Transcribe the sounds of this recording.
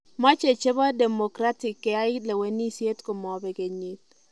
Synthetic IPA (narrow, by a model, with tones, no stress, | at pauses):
mɔ˦t͡ʃe˨t͡ʃe˦ba˦de˨mo˨kɾa˦tɪ˨kːɛ˨a˦ɪ˦le˨we˨ni˦sje˦tko˨mɔ˨bɛ˨ɡe˨ɲi˦t̚